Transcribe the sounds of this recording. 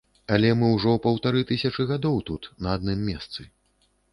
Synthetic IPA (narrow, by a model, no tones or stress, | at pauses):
alʲɛmɨwʐɔwpɐwt̪aɾɨt̪ɨsʲɐt͡ʂɨɣad̪ɔwt̪ut̪nɐad̪nɨmːʲɛst̪sɨ